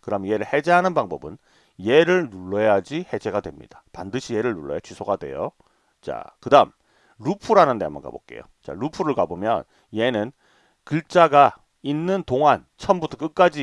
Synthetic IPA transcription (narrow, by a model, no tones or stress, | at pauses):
kɯɾʌamnje̞ɾɯɭhe̞d͡ʑe̞ɦanɯnbaŋbʌbɯn | je̞ɾɯɭnuɭːʌjad͡ʑihe̞d͡ʑe̞ɡadwe̞mɲḭd̥apandɯɕʰije̞ɾɯɭnuɭːʌja̰t͡ɕisʰoɡadwe̞̰jo̰ | t͡ɕa̰kɯdam | ɾupʰuɾanɯndeama̰ka̰bo̰k͈e̞̰jo̰t͡ɕa̰ɾupʰuɾɯɭkabomjʌ̰n | je̞nɯn | kɯɭt͡ɕ͈aɡa | inːɯntoŋɦant͡ɕʰʌmbutʰʌk͈ɯk̚k͈ad͡ʑi